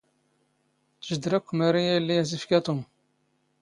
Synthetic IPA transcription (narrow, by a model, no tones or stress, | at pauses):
t̪əʒəd̪ɾækʷːmæɾijæjəlːijæzifkæt̪um